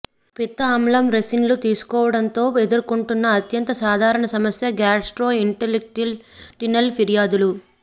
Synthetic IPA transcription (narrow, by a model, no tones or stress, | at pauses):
pit̪ːɐːmlɐmɾesinlut̪iːsu̥kɔːʋɐɽɐnt̪o̞ːed̪uɾkuɳʈunːɐːt̪jɐnt̪ɐsaːd̪ʱaːɾɐɳɐsɐmɐsjɐɡaːsʈɾoːiɳʈelek̚ʈilʈinɐlpʰiɾijaːd̪ulu